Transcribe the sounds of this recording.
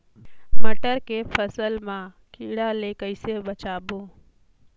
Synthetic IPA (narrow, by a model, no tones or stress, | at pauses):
məʈəɾkepʰəsəlmã | kiːɽalekəɪsebət͡ʃaːboː